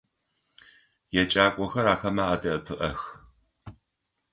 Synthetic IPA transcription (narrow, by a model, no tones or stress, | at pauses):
jɛt͡ʃʼaːkʷʼɔxɐɾaːxɐmaadɐʔɨpʰɨʔɐx